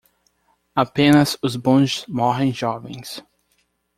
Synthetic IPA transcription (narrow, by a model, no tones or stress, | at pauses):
apẽnɐzʊzbõd͡ʒɪzmɔɦẽj̃ʒɔvẽj̃s